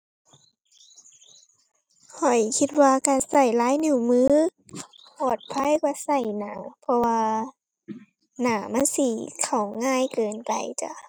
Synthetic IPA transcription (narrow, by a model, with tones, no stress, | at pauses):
kʰɔ˨˩jkʰi˧t̪̚waː˧ka˧˩sa˧˩jlaː˨˦jnu˧˩mɯː˧˥˨ | pɔː˨˩t̪̚pʰa˧˥˨jkwa˧˩sa˧˩jnaː˨˩˦pʰɔ˧waː˧ | naː˧˩ma˧˥˨nsi˧˩kʰa˨˩wŋaː˧˥˨jkɤː˨npa̰˨jt͡ɕa̰˧˨